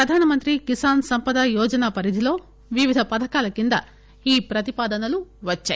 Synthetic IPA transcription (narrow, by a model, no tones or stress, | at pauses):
ɾɐd̪ʱaːnɐmɐnt̪ɾikisaːnsɐmpɐd̪ajɔːd͡ʒɐnaːpɐɾid̪ʱilo̞ː | ʋiʋid̪ʱɐpɐd̪ʱɐkaːlɐkind̪ɐ̰ | iːpɾɐt̪ipaːd̪ɐnɐluʋɐt͡ʃːa̰ː